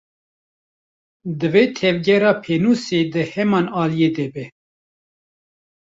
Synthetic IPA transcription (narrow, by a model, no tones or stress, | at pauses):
d̪ɨveːt̪ʰɛvɡɛɾɑːpʰeːnuːseːd̪ɨhɛmɑːnɑːlijeːd̪ɛbɛ